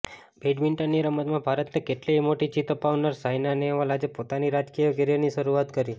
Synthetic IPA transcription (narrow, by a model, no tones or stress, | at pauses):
bʱeɖʋiɳʈənːiɾəmət̪mãbʱaɾət̪nekeʈlemoʈit͡ʃit̪əpaʋnəɾsajnaneʋalad͡ʒepot̪aniɾad͡ʒkijəɡeɾjaniʃəɾuat̪kəɾi